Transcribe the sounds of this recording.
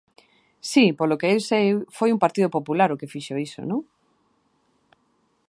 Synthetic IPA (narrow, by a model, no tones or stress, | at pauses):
sipolokeewsejfojumpaɾt̪iðopopulaɾokefiʃoiso̰nõŋ